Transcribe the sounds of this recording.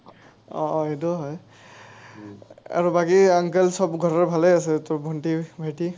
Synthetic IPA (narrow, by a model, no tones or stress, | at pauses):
ɔ̰etuɦɔj | a̰ɹubakiaŋkɛlsɔbɡʱɔɹɔɹbʱalɛasɛtɔbʱɔntibʱati